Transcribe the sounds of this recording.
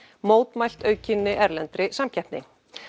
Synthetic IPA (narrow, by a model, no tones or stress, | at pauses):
moːwt̪majl̥t̪œːɥcɪnːɪʔɛɾlɛnt̪ɾɪsamcʰɛhp̪nɪ̰